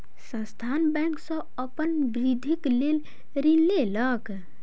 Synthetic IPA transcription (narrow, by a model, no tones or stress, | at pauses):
sə̃st̪ʰanbɛ̃ŋksə̃ | əpənbɾid̪ʱiklel | ɾinlelək